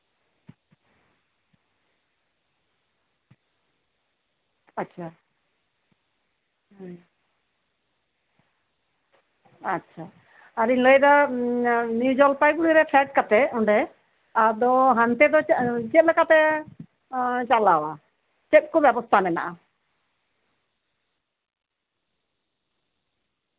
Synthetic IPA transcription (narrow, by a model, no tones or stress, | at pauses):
atːt͡ʃʰa | atːt͡ʃʰa | aɾiɲləjd̪a | njud͡ʒɔlpajkuɽiɾɛpʰɛʈ̚kat̪ɛɔɳɖɛ | ad̪ɔɦant̪ɛd̪ɔt͡ʃɛt̪̚lɛkat̪ɛ | t͡ʃalawa | t͡ʃɛt̪̚kɔbjabɔst̪ʰanɛna̰ʔa